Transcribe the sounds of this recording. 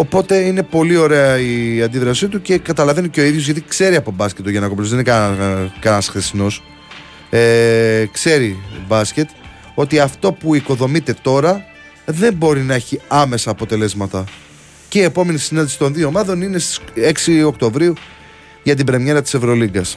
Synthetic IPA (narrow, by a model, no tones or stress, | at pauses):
o̞po̞t̪e̞ine̞po̞lio̞ɾe̞ɐiɐnd̪iðɾɐsit̪uce̞kɐt̪ɐlɐve̞niceo̞iðʝo̞zʝɐt̪̬ikse̞ɾiɐpo̞bɐscʲe̞t̪ːoʝenɐkoplozðenin | kɐnɐsxθesino̞s | ekse̞ɾibɐsce̞t̪ | o̞t̪iɐft̪o̞puiko̞ðo̞mit̪e̞t̪o̞ɾɐ | ðe̞mbo̞ɾinɐeçiɐme̞sɐːpo̞t̪e̞le̞zmɐt̪ɐ | ceie̞po̞me̞nisinɐnd̪isi̥t̪o̞nðio̞ːmɐðo̞nine̞st̪ise̞ksio̞k̚t̪o̞vɾiu | ʝɐt̪̬ibɾe̞mɲe̞ɾɐt̪i̥se̞vɾo̞liɡɐs